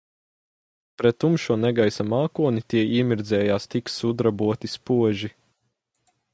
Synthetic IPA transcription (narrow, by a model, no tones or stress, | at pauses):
pɾɛt̪ːumʃuɔnɛɡajsamaːkuɔnit̪iɛiɛmʲiɾd̪zɛːjaːst̪iksud̪ɾabuɔt̪ispuɔʒi